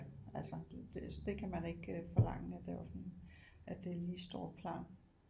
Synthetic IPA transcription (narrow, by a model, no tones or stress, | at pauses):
ælsɐd̥esd̥e̝kʰæmæne̝ɡ̥øfɒ̽lɑ̈ŋ̰əæd̥eɑsɒnʔæd̥e̝liːsd̥ɒ̰̥ːpʰlɑ̰ːn